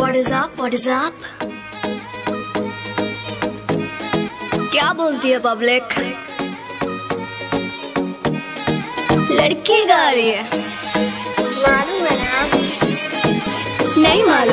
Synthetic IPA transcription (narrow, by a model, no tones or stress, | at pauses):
aʈzaːpʋɐʈzaːp | kjaːboːlt̪iepɐblek | lɐɽkiɡaːɾie | maːluʋɐnaːm | nɐimaːl